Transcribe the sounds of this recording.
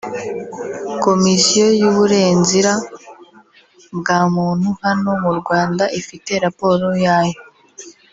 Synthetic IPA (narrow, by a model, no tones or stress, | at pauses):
ko̞misijo̞juβuɾe̞ːnziɾa | bɡaːmuːn̥huhano̞muɾɡwaːndaʔifite̞ɾapo̞ːɾojaːjo̞